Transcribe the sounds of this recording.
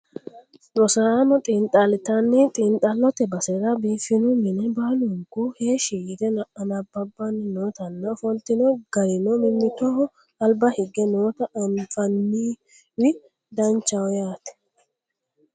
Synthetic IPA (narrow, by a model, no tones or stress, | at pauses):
ɾɔsɐanɔt̪ʼint̪ʼːɐlɪt̪ɐnːɪt̪ʼɪnt̪ʼɐlːɔt̪ɛbɐsɛɾɐbiːfɪnʊmɪnɛbaːlʊŋkʊheːʃɪjɪd̪ɛnɐʔɐnɐbːɐbːɐnːɪnoːt̪ɐnːɐɔfɔnt̪ːɪnɔɡɐɾɪnɔmɪnːɪt̪ɔhɔ | ɐlbɐhɪɡːɛno̞ːt̪ɐɐnfɐnːiː | wɪ | d̪ɐnt͡ʃːɐwɔjaːt̪ɛ̥